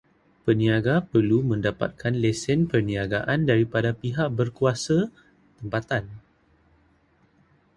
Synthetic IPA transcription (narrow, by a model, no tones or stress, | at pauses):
pənĩaɡapərlumə̃ndapa̰t̪̚kʰanlɛsɛnpərnĩaɡaʔandaɾipadapiɦaʔ̚bərkuasa | t̪əmpat̪an